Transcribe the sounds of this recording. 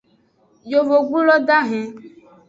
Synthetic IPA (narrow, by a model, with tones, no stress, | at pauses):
jo˨vo˨ɡ͡bu˦lɔ˦d̪a˦ɦɛ̃˨